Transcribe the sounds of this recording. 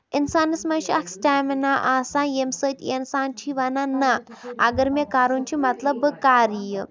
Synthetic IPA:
insaːnɐsmɐnt͡ʃiɐksʈaminaʔasãːjemsətʲensaːnt͡ʃʰiʋɐnanaɐ̰ɡɐɾmekaːɾunt͡ʃʰimɐt̪lɐbkaːɾijɐ

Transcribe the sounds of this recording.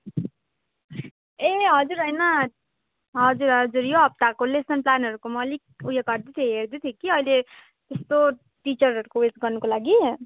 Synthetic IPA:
eɦʌd͡zuɾɦʌjnʌ | ɦʌd͡zuɾɦʌd͡zuɾjoɦʌb̚t̪akolesʌnplanɦʌɾukomʌlik̚ujʌɡʌrd̪it̪ʰjeɦerd̪ut̪ʰjekiʌile | t̪est̪o | ʈit͡ʃʌrʌɾukowed͡zɡʌrnukolaɡi

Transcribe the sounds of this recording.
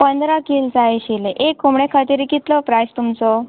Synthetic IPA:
pənd̪ɾakild͡zaeɕileʔekːumɽekʰat̪iɾikit̪lɔpɾajst̪umt͡sɔ

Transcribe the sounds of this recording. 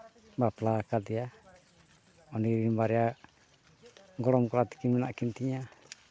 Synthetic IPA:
baplakat̪ia | ɔniɾinbaɾia | ŋɡɔlɔmkɔlat̪i̥kiminaʔkint̪iɲa

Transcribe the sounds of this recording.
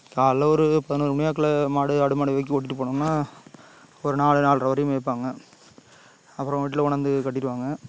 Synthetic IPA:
kaːlːɐɔɾɯpɐðɪnuːɾɯmʊɳɪjaːk̬ːɐlɐmaːɽɯɐɽɯmaːɽɯʋɐk̬ːioːʈ̬ːɪʈːɯpːoːɳɯmnːaː | ɔɾɯnaːɭɯnaːɭɾɐʋɐɾɪjɯmep̬ːaːŋɡɐ | ɐpːɯɾɐ̃ʋiːʈ̬ːɪlɐʊɳɐnd̪ɯkɐʈːɪɾɯʋaːŋɡɐ

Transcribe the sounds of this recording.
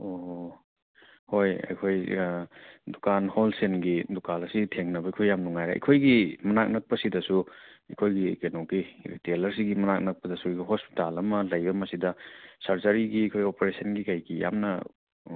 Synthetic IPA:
o | hojɐ̰jkʰoj | dukanholsenɡidukalɐsitʰeŋnɐbɐikʰojːamnuŋajɾḛʔɐ̰kʰojɡimɐnak̚nɐk̚pɐsidɐsuɐkʰojɡikenoɡiɾḭtelɐɾs̬iɡimɐnak̚nɐk̚pɐdɐsuɡiɦosptalɐmɐlɐjbɐmɐsidɐsɐɾzɐɾiɡiɐkʰojopɐɾesɐnɡikɐjɡija̰mnɐ

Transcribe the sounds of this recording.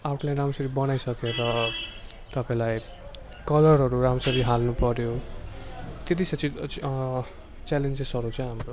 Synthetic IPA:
awʈlaɾramsʌɾibʌnajsʌkeɾʌ | t̪ʌpãĩlaj | kʌlʌrɦʌɾuramsʌɾiɦalnupʌɾjo | t̪et̪̬isʌt͡si | t͡salend͡zesʌɾut͡sʌ̃ĩɦamro

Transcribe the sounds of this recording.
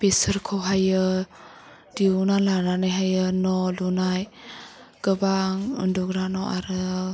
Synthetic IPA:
pesəɾkʰɔwɦajɯ | diunalananajɦajɯnɔlunaj | ɡ̥ɯbaŋɯ̰ndɔɡɾanɔʔaɾɯ

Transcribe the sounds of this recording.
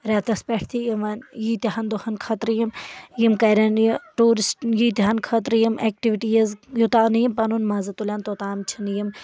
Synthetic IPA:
ɾet̪ɐspʲeʈʰt̪ʰijiʋɐnjiːt̪iɦɐnd̪ohɐnkʰɐt̪ɾjimjimkɐjɾʲɐnjʈuːɾisʈjiːt̪iɦɐnkʰɐt̪ɾjimʔeːk̚ʈiʋiʈijɐzjut̪aːnjimpɐnunmɐːzɐt̪ulʲɐnt̪ot̪aːmt͡ʃʰinjim

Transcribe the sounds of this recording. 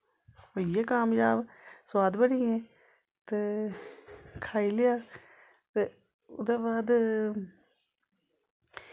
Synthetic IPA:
ojeːkaːmjaːbswaːd̪bəɽĩːẽː | t̪eː | kʰaːilejaː | t̪e | ʊ̰d̪eːbaːd̪

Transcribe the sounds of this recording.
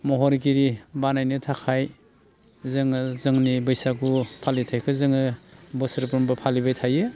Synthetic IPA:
mɔɦɔɾik̬iɾibanajnɯtʰakʰaj | zɯŋɯzɯŋnibɯjsakupʰalitʰajkʰɯzɯŋɯbɯsɯɾpɾumbɯpʰalibajtʰajɯ

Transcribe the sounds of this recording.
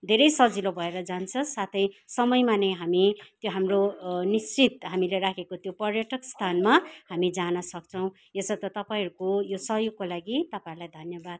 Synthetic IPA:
d̪ʱeɾʌjsʌd͡zilobʱʌeɾʌd͡zant͡sʰʌsat̪ʰʌjsʌmʌjmaneɦamit̪joɦamronist͡sit̪ɦamileɾakʰekot̪jopʌrjʌʈʌkst̪ʰanmahamid͡zanʌsʌk̚t͡sʰʌw̃ | esʌt̪ʌt̪ʌpaĩɦɾukojosʌɦjoɡ̚kːolaɡit̪ʌpaiɾulajd̪ʱʌnjʌbad̪̚

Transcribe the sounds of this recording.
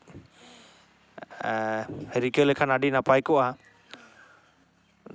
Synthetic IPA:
hɛɾikəlɛkʰanaɖinapajkɔʔaa

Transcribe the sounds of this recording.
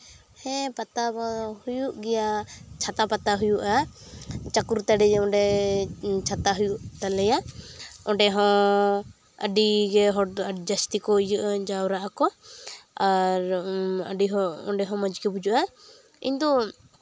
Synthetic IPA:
hɛ̃pat̪ahujuʔɡɛjat͡ʃʰat̪apat̪aɦujuʔa | t͡ʃakuɾt̪aɖɛd͡ʒɛɔ̃ɖɛ | t͡ʃʰat̪aɦujuʔt̪alɛjaɔ̃ɖɛɦɔ̃ | ə̰ɖiɡɛɦɔd͡ʒast̪ikɔijuʔad͡ʒawɾaʔakɔ | aɾə̰ɖiɦɔɔ̰ɖɛɦɔ̃məd͡ʒkɛbud͡ʒuʔa | ḭɲd̪ɔ

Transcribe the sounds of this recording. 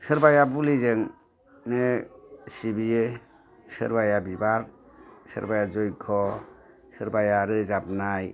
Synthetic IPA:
sɯɾbajabulizɯŋ | nesibije | sɯ̰ɾbajabibaɾ | sɯ̰ɾbajazɔjkʰɔ | sɯɾbajaɾɯzap̚naj

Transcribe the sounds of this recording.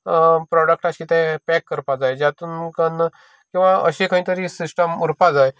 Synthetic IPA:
pɾɔɽək̚ʈaɕiːt̪ɛ̃pɛkːəɾpad͡zajd͡ʑjat̪uːnkən | kĩw̃ʋaə̰ɕekə̃ɦĩːt̪əɾiːsisʈəmuɾpad͡zaj

